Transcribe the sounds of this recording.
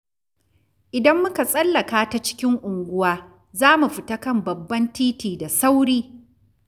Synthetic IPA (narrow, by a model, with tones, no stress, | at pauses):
ʔɪ˨dɐ˦mːʊ˦ka˨sʼɐ˦lːɐ˨kaː˦ta˦t͡ʃɪ̥˦kʲɪ˦ŋʔʷʊ˨ŋɡʷʊ˦waː˦ | zaː˦mu˨ɸɪ˨ta˦kɐ˦˨mbɐ˨bːɐ˦ntiː˦tiː˨da˨sa˦wɽiː˦